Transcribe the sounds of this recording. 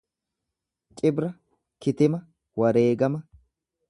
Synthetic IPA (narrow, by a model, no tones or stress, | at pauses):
t͡ʃʼɪbɾɐ | kɪt̪ɪmɐ | wɐɾeːɡɐmɐ